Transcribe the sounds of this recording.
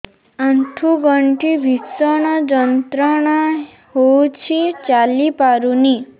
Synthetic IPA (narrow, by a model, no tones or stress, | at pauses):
aɳʈʰuɡəɳʈibʱisɔɽ̃ɔd͡ʒənt̪ɾɔɽ̃a | ɦowt͡ʃʰit͡ʃalipaɾuni